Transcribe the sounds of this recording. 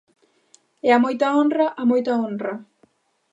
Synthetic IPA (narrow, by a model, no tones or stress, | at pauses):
eamojt̪aõnraʔamojt̪aõnra